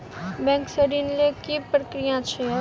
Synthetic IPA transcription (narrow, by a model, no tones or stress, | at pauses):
bɛ̃ŋksəɾinlekipɾəkɾijãt͡ʃʰe